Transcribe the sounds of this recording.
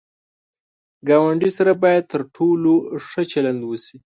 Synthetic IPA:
ɡɑwaɳɖisaɾabɑjad̪̚t̪əɾʈʰoloʂət͡ʃaland̪wəsi

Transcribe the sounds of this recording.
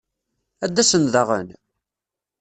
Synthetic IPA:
æd̪ːæsənðəʁə̰n

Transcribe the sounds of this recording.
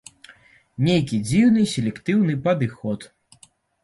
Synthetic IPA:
nʲejk̬ʲid͡zʲiwnɨsʲelʲɛkt̪ɨwnɨpɐd̪ɨxɔt̪

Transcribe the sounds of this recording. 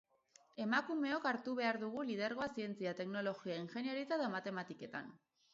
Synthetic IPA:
e̞makume̞o̞kaɾt̪uβe̞aɾðuɣ̞ulið̞eɾɣo̞asie̞nt͡siat̪e̞kno̞lo̞ɣiainxe̞niaɾit͡saðomat̪e̞mat̪ike̞t̪a̰n

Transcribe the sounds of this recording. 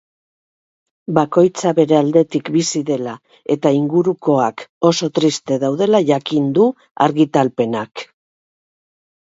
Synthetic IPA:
bako̞jt͡saβe̞ɾe̞ald̪e̞t̪ikbisiðe̞la | e̞t̪aiŋɡuɾuko̞ako̞so̞t̪ɾist̪e̞ðawðe̞laʝakind̪u | a̰ɾɣit̪alpe̞nak

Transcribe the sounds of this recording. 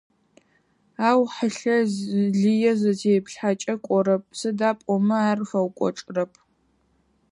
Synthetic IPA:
aːwħəɬɐɮijɛzɐtʰejpʰɬħat͡ʃʼɐkʷʼɔɾɐp̚ʰʼsɨdaːpʼɔmɐaːrfɐwkʷʼɔ̰ʈ͡ʂʼrɐpʰ

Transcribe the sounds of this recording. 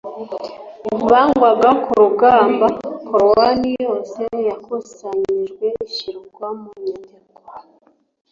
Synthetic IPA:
βaŋɡwaɡakuɾuɡaːmbakʰoɾowanijo̞ːse̞jakosaɲiʒɡwe̞iʃiɾuɡwamuɲiteko̥

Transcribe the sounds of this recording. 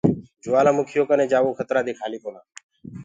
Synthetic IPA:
d͡ʒʊʋaːlãːmʊkʰɪjoːkənẽːd͡ʒaːʋõːkʰət̪ɾaːd̪iːkʰaːliːkoːnaː

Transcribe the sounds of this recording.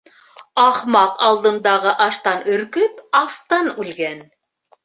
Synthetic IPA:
ɑχmɑqɑlˠd̪ɤ̆nd̪ɑʁɤʔɑʃt̪ɑnɵ̆ɾkɵpɑst̪ɤnʉlɡæn

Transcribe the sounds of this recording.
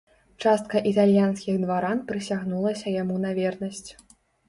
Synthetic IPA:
t͡ʂast̪̚kɐʔit̪alʲjanskʲiɣd̪vaɾanpɾɨsʲaɣnulˠɐsʲɐjamunɐvʲɛrnɐsʲt͡sʲ

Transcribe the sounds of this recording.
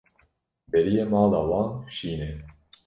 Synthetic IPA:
bɛɾijemɑːlɑːwɑːnʃiːnɛ

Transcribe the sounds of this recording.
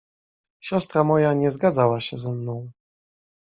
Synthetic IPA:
ɕɔst̪ɾamɔjaɲɛzɡad̪zawaɕɛzɛmnɔ̃w̃

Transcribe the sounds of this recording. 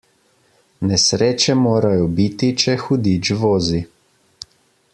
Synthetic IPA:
nɛsɾeːt͡ʃɛmoːɾajɔbit̪it͡ʃɛxud̪id͡ʒʋoːzi

